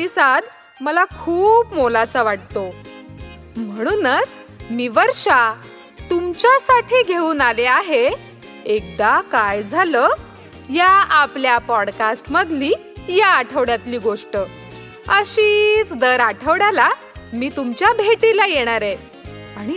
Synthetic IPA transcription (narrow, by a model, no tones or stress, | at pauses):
t̪isad̪ | məlakʰuːpmolat͡saʋaʈ̚t̪o | m̤əɽ̃uːnət͡s | miːʋəɾʂa | t̪umt͡ɕjasaʈʰiːɡʱeuːnaleaɦe | ek̚d̪akajd͡zʱaləː | jaapljapɔɽkasʈməd̪ʱliː | jaːʈʰəʋɽjat̪liːɡoʂʈə | əɕiːt͡sd̪əɾaʈʰəʋɽala | miːt̪umt͡ɕjabʱeʈilajeɽ̃aɾe | aɽ̃i